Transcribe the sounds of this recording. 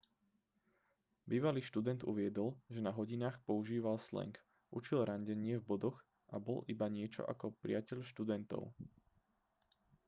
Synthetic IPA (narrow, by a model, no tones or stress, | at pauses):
biːʋaliːʃt̪ud̪ɛnd̪ṵʋɪɛd̪ɔlʒɛnaɦɔɟinaːxpɔuʒiːʋalslɛ̰ŋk | ʔut͡ʃilɾaɲɟɛɲɪɛvbɔd̪ɔɣ | ʔabɔlʔibaɲɪɛt͡ʃɔ̰ʔa̰kɔpɾḭacɛʎʃt̪ud̪ɛnt̪ɔ̰ʊ